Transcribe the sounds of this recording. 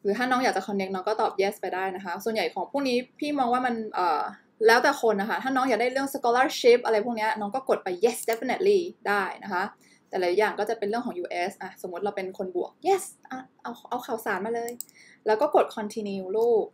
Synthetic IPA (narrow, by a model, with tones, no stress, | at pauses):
ɾɯː˩˦t̪ʰaː˥˩nɔː˦˥ŋja˨˩t͡ɕa˨˩kʰɔ˧nːe˦˥k̚nɔː˦˥kɔː˥˩t̪ɔː˨˩p̚jɛː˦˥spa˧jdaː˥˩jna˦˥kʰa˦˥su˨˩ənja˨˩jkʰɔː˩˦ŋpʰuː˥˩ŋ̚niː˦˥pʰiː˥˩mɔː˧ŋwaː˥˩ma˧nʔɤː˨˩ | lɛː˦˥wt̪ɛː˨˩kʰo˧nʔa˧˩kʰa˥˩t̪ʰaː˥˩nɔː˦˥ŋjaː˨˩daː˥˩jɾɯ˥˩əŋsa˧kɔː˧laː˧˥˩t͡ɕi˦˥p̚ʔa˧ɾa˧jpʰu˥˩kni˦˥ɐ˧nɔː˦˥ŋkɔː˥˩ko˨˩t̪̚pa˧jːe˦˥sde˦˥fi˧ne˨˩t̪̚liː˥˩daː˥˩jna˦˥kʰa˦˥ | t̪ɛː˨˩laː˨˩˦jaː˨˩ŋkɔː˥˩t͡ɕa˨˩pe˧nlɯ˥˩əŋʰkɔː˩˦ŋjuː˧ʔe˦˥sʔa˨˧˩so˩˦mu˦˥ɾa˧wpe˧nkʰo˧nbu˨˩ək̚je˦˥˩sʔa˧˩ʔa˧wʔa˧wxʰaː˨˩˦wsaː˨˩˦nmaː˧lɤː˧j | lɛː˦˥wkɔː˥˩ko˨˩t̪̚kʰɔ˧nt̪ʰiː˧niː˧wloː˥˩k̚